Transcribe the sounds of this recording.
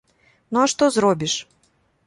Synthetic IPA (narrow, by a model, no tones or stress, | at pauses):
nuaʂt̪ɔzɾɔbʲiʂ